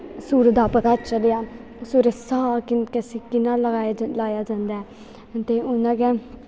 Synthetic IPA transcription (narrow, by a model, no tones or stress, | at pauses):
suːɾd̪aːpət̪aːt͡ʃəlejaː | suːɾəsaːkɪkəseːkɪnãːləɡaːlaːjaːd͡ʒãːnd̪aːɛː | t̪eːʊnãːɡɛː